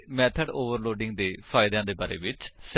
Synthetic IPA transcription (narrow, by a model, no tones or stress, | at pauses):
mɛːt̪ʰəɖoːʋəɾloːɖɪ̃ŋɡd̪eːpʰaːɪd̪ãːd̪eːbaːɾḛːʋɪt͡ʃs